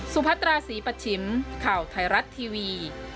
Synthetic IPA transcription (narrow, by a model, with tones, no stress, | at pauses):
su˨˧˦pʰa˦˥t̪̚ɾaː˧siː˩˦pa˧t̪̚t͡ɕʰi˨˩˦mkʰaː˨˩wt̪ʰa˧jɾa˦˥t̪ʰːiː˧wiː˧